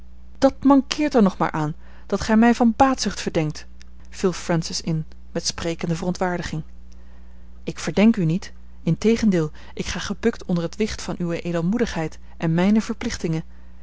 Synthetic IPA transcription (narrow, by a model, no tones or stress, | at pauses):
d̥ɑtmɑŋkɪːɹtəɹnɔχma̰ːɹʔaːn | d̥ɑtχɛjmɛjvɑnbaːtsʏχtfəɹdɛŋk̚t | filˠfrɛnsɪsɪn | mɛtsprejkəndəvərɔntʋaːɹdəχɪŋ | ɪkfəɹdɛŋkynit | ɪntejχəndɪːlˠ | ʔɪkχaːχəbɵktʰɔndəɹətʋɪχtfɑnʔyʋəʔejdəlˠmudəχɦɛjt | ʔɛnmɛjnəv̥əɹplɪχtɪŋə